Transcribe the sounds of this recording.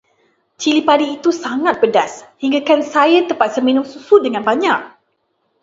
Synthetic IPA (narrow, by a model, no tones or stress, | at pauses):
t͡ʃilipadiːt̪usaŋãt̪̚bədashiŋɡakansajat̪əmpat̪̚səmĩnʊ̃msusudəŋanbaɲaʔ̚